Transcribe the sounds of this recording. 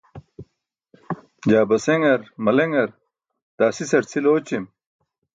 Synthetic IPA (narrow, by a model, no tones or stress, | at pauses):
d͡ʑaːbɐseŋɡɐɾmɐleŋɡɐɾ | d̪̥aːsisɐɾt͡sʰiloːt͡ɕim